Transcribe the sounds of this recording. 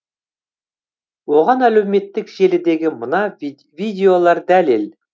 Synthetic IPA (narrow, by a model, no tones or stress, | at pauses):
wo̞ʁɑnælæwme̞t̪ːɪkʒ̥e̞lɪd̪e̞ɡʲɪmənɑ | vid̪ʲe̞o̞lˠɑɾd̪æle̞l